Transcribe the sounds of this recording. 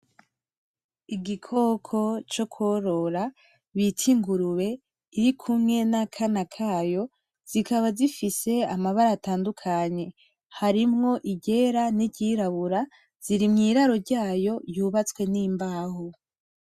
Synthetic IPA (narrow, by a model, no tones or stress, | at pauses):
iɡikʰo̞ːkʰo̞t͡ʃo̞kʰoɾo̞ɾa | βitʰiŋɡuɾuwe̞ | iɾikʰumŋe̞nakʰanakʰaːjo̞ | z̥ikʰaβazifise̞amaβaɾaːtaːndukʰaɲe̞ | haɾimŋo̞ʔiɟe̞ːɾaniɟiɾaβuɾa | z̥iɾimŋiːɾaɾo̞ɾɟaːjo̞juːβat͡skwe̞niːmbaːho